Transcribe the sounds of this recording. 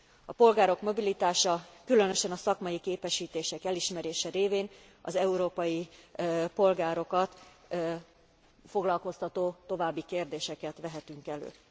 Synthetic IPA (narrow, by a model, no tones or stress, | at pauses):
ɒpo̞lɡaːɾo̞kmo̞bilit̪aːʃɒkylø̞nø̞ʃɛnɒsɒkmɒjikeːpɛʃiːt̪eːʃɛkɛliʃmɛɾeːʃɛɾeːveːn | ɒ̰zɛuɾoːpɒji | po̞lɡaːɾo̞kɒt̪ | fo̞ɡlɒlko̞st̪ɒt̪oːt̪o̞vaːbːikeːrd̪eːʃɛkɛt̪ʋɛɦɛt̪yŋkɛlø̰ː